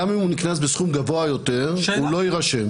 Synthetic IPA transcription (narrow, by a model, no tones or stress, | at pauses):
amimuniknasbesχumɡavo̞ajo̞teʁulo̞iʁaʃe̞m